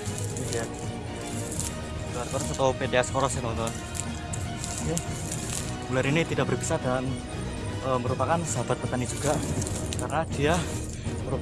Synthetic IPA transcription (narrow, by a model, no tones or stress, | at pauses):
aja | luarkɔɾɔsat̪apedeaskoɾɔsanɔnt̪ɔn | ja | mulaɾinit̪idaʔbərbisadan | əːməɾupakansəɦab̥at̪̚pət̪anid͡ʒuɡakarnad̥ia | məɾu